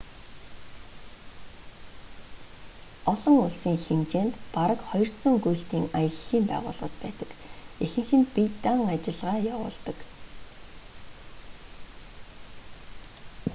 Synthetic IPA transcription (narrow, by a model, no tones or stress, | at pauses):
ɔɮɞ̆ŋʊɮsiːŋxemt͡ɕeːnt̪paɾə̆kχɔjɞ̆r̥tt͡sɵ̆ŋɡujɬt̪iːŋajə̆ɮːiːmpæ̰ːʁʊ̰ːɮʁə̆t̪̚pæːt̪ə̥̆kexɘ̆ŋxɘ̆npit̪aŋat͡ɕɪ̆ɮʁaːjawʊ̰ːɮt̪ə̆k